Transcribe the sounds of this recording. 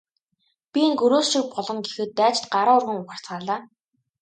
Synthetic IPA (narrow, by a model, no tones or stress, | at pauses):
pʲieŋɡɵɾoːsʃĭk̚pɔɮɞ̆ŋɡexɘ̆t̪ːæːt͡ɕt̪ɢaɾaːʊrɣĭŋʊχə̆r̥t͡sɢaːɮaː